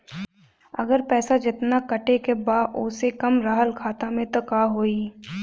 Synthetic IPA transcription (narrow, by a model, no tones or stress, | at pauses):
ɐ̰ɡəɾpɛːsad͡ʒɪt̪nakɐʈekebaːʔʊːsekɐmɾaːɦəlkʰaːt̪amẽt̪okaːɦoːiː